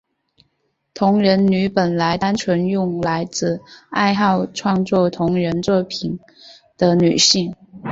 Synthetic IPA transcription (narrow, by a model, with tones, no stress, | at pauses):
t̪ʰʊ˧˥ŋɻə˧˥nny˧˥pə˨˩nla˧˥ɪt̪a˥nʈ͡ʂʰwə˧˥njʊ˥˩ŋla˧˥ɪt͡sɹ̩˥˧a˥˧ɪxɑ˥˧ʊʈ͡ʂʰwɑ˥˧ŋt͡swɔ˥˩t̪ʰʊ˧˥ŋɻə˧˥nt͡swɔ˥˩pʰi˨˩n | d̪̥ə˦ny˨˩ɕi˥˩ŋ